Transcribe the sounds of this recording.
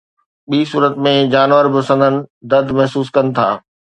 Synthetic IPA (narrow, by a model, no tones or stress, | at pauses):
ɓiːsuːɾət̪mẽd͡ʑaːnʋəɾbɪsə̃nd̪ʱənɪ̆d̪ɐd̪ʱmɐɦsuːskɐnɪ̆t̪ʰa̰ː